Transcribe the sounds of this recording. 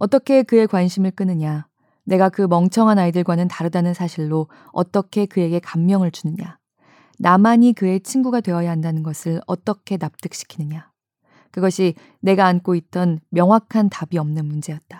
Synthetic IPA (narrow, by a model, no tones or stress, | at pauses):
ʌt͈ʌkʰe̞kɯe̞kwanɕʰimɯɭk͈ɯnɯɲa | ne̞ɡakɯmʌŋt͡ɕʰʌŋɦanaidɯɭɡwanɯntaɾɯdanɯnsʰaɕʰiɭːo | ʌ̰t͈ʌkʰe̞kɯe̞ɡe̞kamːjʌŋɯɭt͡ɕunɯɲa | namaɲikɯe̞t͡ɕʰinɡuɡadwe̞wʌjaɦandanɯnɡʌsʰɯɭʌt͈ʌkʰe̞nap̚t͈ɯk̚ɕ͈i̥kʰinɯɲa | kɯɡʌɕʰi | ne̞ɡaːnk͈oit͈ʌnmjʌŋwakʰantabiʌmnɯnmund͡ʑe̞jʌt̚t͈ḁ